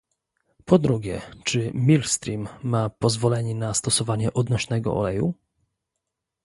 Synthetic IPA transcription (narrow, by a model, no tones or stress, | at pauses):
pʰɔd̪ɾuɡʲɛt͡ʂɘmʲilst̪ɾʲimːapɔzvɔlɛɲɛnast̪ɔsɔvaɲɛʔɔd̪nɔɕnɛɡɔ̰ɔ̰lɛjṵ